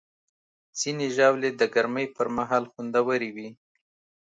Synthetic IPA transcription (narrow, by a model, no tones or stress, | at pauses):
z̥ineʒawled̪əɡaɾməjpəɾmaɦɑlxund̪awəɾiwi